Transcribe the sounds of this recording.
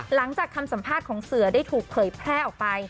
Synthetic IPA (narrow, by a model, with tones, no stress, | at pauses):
la˩˦ŋt͡ɕaː˨˩kʰːa˧msa˨˩˦mpʰaː˥˩t̪̚kʰɔː˩˦ŋsɯ˩˦ɐdaː˥˩jt̪ʰuː˨˩k̚pʰɤː˩˦jpʰɾɛː˥˩ʔɔː˨˩k̚pa˧j